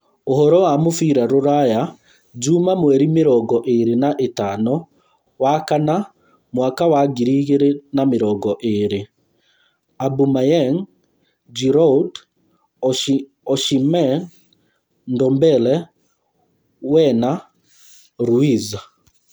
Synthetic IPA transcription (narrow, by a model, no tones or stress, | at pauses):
ohɔɾɔwamofiɾaɾoɾaja | d͡ʒumamwɛɾimeɾɔɡɔʔeɾenaʔetanɔ | wakana | mwaːkawaɡiɾiɣeɾenameɾɔɡɔʔeɾe | abumajɛŋ | d͡ʒiɾɔd | ɔʃimɛ | ndɔmbɛlɛ | wɛna | ɾuiza